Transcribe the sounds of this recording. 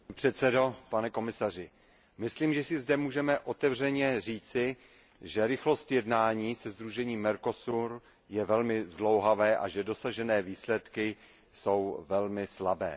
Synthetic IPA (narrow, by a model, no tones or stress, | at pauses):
pr̝̥ɛt̪sɛdo̞panɛko̞mɪsarɪ | mɪsliːmʒɛsɪzdɛmuːʒɛmɛʔo̞t̪ɛvr̝ɛɲɛriːt͡sɪ | ʒɛɾɪxlo̞st̪jɛdnaːɲiːsɛzd̪ɾuʒɛɲiːmːɛɾko̞suɾ | jɛvɛlmɪzlo̞wɦavɛːʔa̰ʒɛdo̞saʒɛnɛːviːslɛt̪kɪ | so̞wvɛlmɪslabɛ̰ː